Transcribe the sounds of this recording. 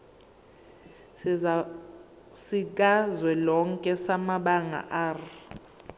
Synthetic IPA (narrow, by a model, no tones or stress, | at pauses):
sik̬azwɛlɔŋkʼɛsamaɓaŋa̰ʔaːri